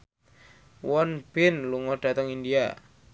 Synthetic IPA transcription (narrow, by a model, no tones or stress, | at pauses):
wɔnb̥ɪnluŋɔɖ̥a̤t̪əŋindia